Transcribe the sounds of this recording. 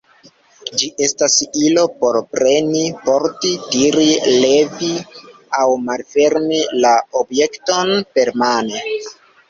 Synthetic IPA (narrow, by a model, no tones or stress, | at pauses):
d͡ʒiʔe̞stasilo̞po̞ɾpɾe̞nipo̞ɾtitiɾile̞vi | awmalfe̞ɾmilaobje̞kto̞npe̞ɾmane